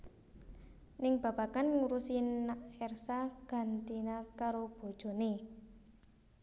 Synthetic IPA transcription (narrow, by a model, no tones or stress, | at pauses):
nɪŋb̥ä̤b̥a̤kanŋuɾusinaɛrsaɡ̥a̤nt̪inakaɾob̥o̤d̥ʒ̥o̤ne